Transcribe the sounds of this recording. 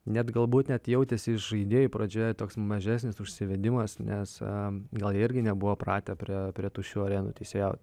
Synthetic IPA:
nʲɛt̪ɡɐlˠbuːt̪nʲɛt̪jɛʊt̪ʲɛsʲɪʃʒɐɪd̪ʲeːjupɾoːd͡ʒʲoːjɛt̪oːksmɐʒʲæːsʲnʲɪsʊʃʲsʲɪʋʲɛd̪ʲɪmɐsnʲʔɛsɡɐlˠjɪɾʲɡʲɪnʲɛbʊʋoːprɑːt̪ʲɛpʲɾʲiɛpʲɾʲiɛt̪uːʃʲuːɐɾʲeːnṵːt̪ʲɛɪsʲejɛʊtʲ

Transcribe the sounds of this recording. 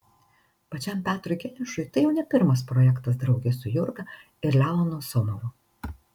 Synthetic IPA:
pɐt͡ʃʲɛmʲpʲæːt̪ɾʊɪɡʲɛnʲɪʃʊjt̪ɐɪjɛʊnʲɛpʲɪɾmɐspɾɔjɛkt̪ɐsd̪ɾɒʊɡʲɛsʊjʊɾɡɐ | ɪɾlʲæɔnosɔmɔʋʊ

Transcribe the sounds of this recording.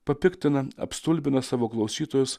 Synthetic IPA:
pɐpʲɪkʲt̪ʲɪnɐɐ̰pst̪ʊlʲbʲɪnɐsɑːʋoːklˠɐʊsʲiːt̪oːjʊs

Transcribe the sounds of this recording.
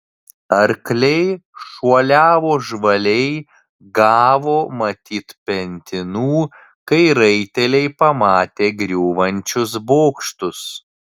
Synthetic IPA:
ɐɾklʲɛɪʃuɔlʲæːʋoːʒʋɐlʲɛɪ | ɡɑːʋoːmɐt̪ʲiːt̪pʲɛnʲt̪ʲɪnuː | kɐɪɾɐɪt̪ʲɛlʲɛɪpɐmɑːt̪ʲeːɡɾʲuːʋɐnʲt͡ʃʲʊs̬boːkʃt̪ʊs

